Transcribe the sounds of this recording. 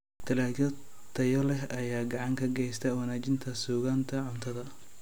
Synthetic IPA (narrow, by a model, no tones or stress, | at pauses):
t̪ʰɐlaːj | t̪ʰɐjɔlɛɦɐjaːɡɑʕɑŋkʰɐɡɛjst̪ʰɐwɐnaːt͡ʃɪnt̪ʰɐsuːɣaːnt̪ʰɐʕʊnt̪ʰɐðɐ